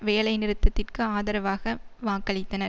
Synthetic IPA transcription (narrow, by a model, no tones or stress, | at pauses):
ʋeːlɐɪnɪɾɯt̪ːɐt̪ːɪrkɯaːðɐɾɐʋaːɣɐʋaːkɐɭɪt̪ːɐnɐɾ